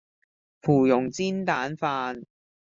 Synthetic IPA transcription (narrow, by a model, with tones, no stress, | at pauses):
fʰuː˨˩jʊ˨˩ŋt͡siː˥nt̪aː˨˥nfaː˧n